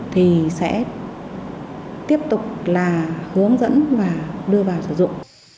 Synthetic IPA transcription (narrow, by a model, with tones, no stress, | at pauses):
t̪ʰi˨˩sɛ̰˧˥ | t̪i˦˥əp̚t̪ʊ˨˩k͡p̚laː˨˩hɨ˨˦əŋzə̰˧˥nvaː˨˩ɗɨ˧əvaː˨˩wsɨ̰˧˩zʊ̰˧˨ŋ͡m